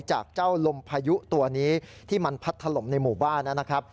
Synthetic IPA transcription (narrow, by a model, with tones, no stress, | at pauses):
t͡ɕa̰ː˨˩k̚t͡ɕaː˥˩wlo˧mpʰaː˧ju˦˥t̪u˧ɐniː˦˥t̪ʰiː˥˩ma˧npʰa˦˥t̪ʰːa˧lo˩˦mna˧jmuː˨˩baː˥˩nːa˦˥na˦˥kʰɾa˦˥p̚